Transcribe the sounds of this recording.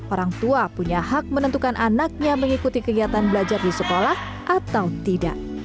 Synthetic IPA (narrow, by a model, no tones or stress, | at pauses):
ʔoɾaŋt̪uapuɲahak̚mənənt̪ukanʔanak̚ɲaməŋikut̪ikəɡiat̪anbəlad͡ʒardisəkolah | ʔat̪awt̪ida̰ʔ̚